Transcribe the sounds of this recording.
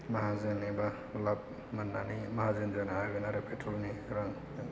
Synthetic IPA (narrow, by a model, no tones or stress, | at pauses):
maɦazeŋniba | lab̚ | manːanimaɦazenzanaaɡɯnaɾepʰetʰɾɔlniɾaŋ